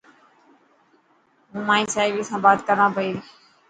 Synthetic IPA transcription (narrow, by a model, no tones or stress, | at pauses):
ɦũːmãːĩːsaːɪʋiːsãːbaːt̪kəɾãːpəiː